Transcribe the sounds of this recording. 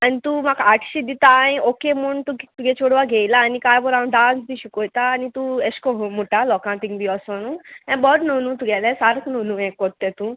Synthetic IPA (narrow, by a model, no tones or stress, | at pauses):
anit̪umakaʈʰɕid̪it̪ajokemuɳt̪ut̪uɡɛt͡ʃoɽʋaɡʱejlaːnikajbɔɾaɖãːnsb̪ʱiɕukojt̪aːnit̪ueskɔɦmuʈalɔkãt̪iŋɡbʱiɔsanũɛ̃bɔɾnonũt̪uɡɛlɛ̃saɾknunũɛ̃kɔɾt̪ːɛt̪ũ